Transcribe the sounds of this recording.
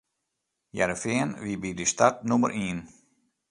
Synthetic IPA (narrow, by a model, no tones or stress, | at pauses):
jɛ̰ɾəfɪənʋibidəstatnumə̰rʔiːn